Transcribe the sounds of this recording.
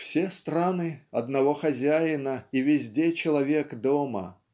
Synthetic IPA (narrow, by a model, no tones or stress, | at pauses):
fsʲest̪ɾanɨɐd̪nɐvoxɐzʲæjɪnəivʲɪzʲdʲet͡ɕɪlˠɐvʲekd̪omə̰